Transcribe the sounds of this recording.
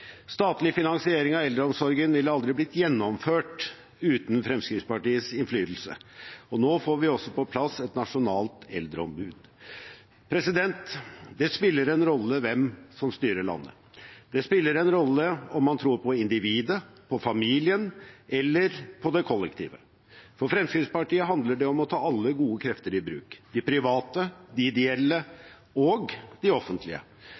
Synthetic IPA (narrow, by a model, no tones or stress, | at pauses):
st̪ɑːt̪lɪfɪnɑnsɪeːɾɪŋɑɛld̪ɾəɔmsɔɾɡənʋɪlɑld̪ɾɪblɪt̪jɛnːɔmføːʈ | ʉːt̪nfɾɛmskɾɪft̪spɑʈiːəsɪnflyːt̪l̩sə̰ɔnoːfoːɾʋɪɔsːɔpɔpʰlɑsɛt̪nɑʂʊnɑːlt̪ɛld̪ɾəɔmbʉːd̪ | pʰɾɛsɪd̪ɛnt̪d̪ɛspɪlːəɾɛnɾɔlːəʋɛmsɔmst̪yːɾəɭɑ̰nːə̰ | d̪ɛspɪlːəɾɛnɾɔlːəɔmːɑnt̪ʰɾuːɾpʰɔɪnd̪ɪʋiːd̪əpʰɔfɑmiːlɪənʔɛlːəɾpʰɔd̪ɛkʰɔlːɛkt̪ʰḭːʋə | fɔɾfɾɛmskɾɪspɑʈiːəɦɑnd̪ləɖɛɔmɔt̪ʰɑːɑlːəɡuːəkʰɾɛft̪əɾɪbɾʉ̰ːkd̪̥ɪpʰɾɪʋɑːt̪əd̪ɪɪd̪ɛɛlːə | ɔɡd̪̥ɪɔfːənt̪ʰlɪə̰